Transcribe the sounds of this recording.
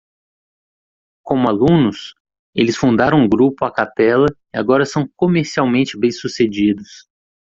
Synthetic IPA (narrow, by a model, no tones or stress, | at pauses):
kõmʊalũnʊs | elɪsfũnd̪aɾɐ̃w̃ũɡɾupʊakapɛlɐ | ɪa̰ɡɔɾɐsɐ̃w̃komeɾsiawmẽnt͡ʃɪbẽj̃sused͡ʒid̪ʊs